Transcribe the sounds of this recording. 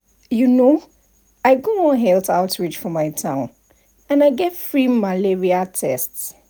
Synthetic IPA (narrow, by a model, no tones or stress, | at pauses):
juno | aɪɡoɔ̃nɦɛltʰaʊtʰɹit͡ʃfɔmaɪtʰãʊ̃n | ə̃naɪɡɛtfɹimalɛɹiatʰɛ̰sts